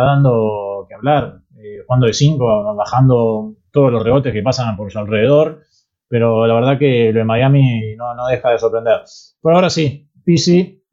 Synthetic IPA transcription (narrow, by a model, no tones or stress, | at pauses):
aðand̪o̞keaβlaɾ | exwand̪oðesiŋkoβaxand̪o̞t̪oð̞ozlo̞sreβo̞t̪eske̞pasanpoɾsualre̞ðeð̞o̞ɾ | pe̞ɾo̞laβ̞eɾðakeloemajaminonoðe̞xaðesoɾpɾend̪eɾ | poɾaoɾasi | pisi